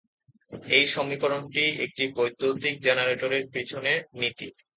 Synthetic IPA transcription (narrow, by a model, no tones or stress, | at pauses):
ejʃɔmikoɾonʈiḛk̚ʈibojd̪ʱːot̪ik̚d͡ʑenaɾeʈoɾeɾpit͡ɕʰonenit̪i